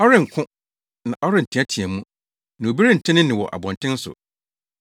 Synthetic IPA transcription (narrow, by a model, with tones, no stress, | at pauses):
ɔ˦ɾɪ̃˦˨ŋ̩˨kʰʊ̃˦ | nã˨ʔɔ˦ɾɪ˦n̩˨tʰɪ̃˦æ˦tʰi˨æ˨mũ˦ | nã˨o˨bi˦ɾi˦n̩˨tʰɪ̃˦nɪ̃˦nɪ̃˨wɔ̰˨ʔa̰˨bɔ̃˨ntʰɪ̃˦n˦sʊ̰˨